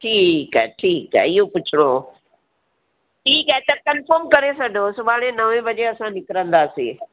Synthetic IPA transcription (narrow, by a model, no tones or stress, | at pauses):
ʈʰiːkɛ̰ʈʰiːkɛ̰ɪɦopʊt͡ʃʰɪɽ̃oː | ʈʰiːkɛɛt̪ɐkɐnfəɾmkɐɾesɐɖʱoːsʊʋaːɽ̃ẽnɐʋẽbɐd͡ʑeɐsãnɪkɾə̃nd̪aːseː